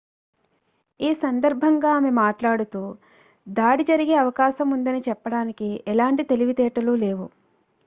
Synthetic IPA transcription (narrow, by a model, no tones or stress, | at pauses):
iːsɐnd̪ɐɾbʱɐŋɡaːmemaːʈlaːɽut̪uː | d̪aːɽid͡ʒɐɾiɡeːɐʋɐkaːʃɐmund̪ɐnit͡ʃɛpːɐɽaːnikiɛlaːɳʈit̪e̞liʋit̪ɛːʈɐluːle̞ːʋu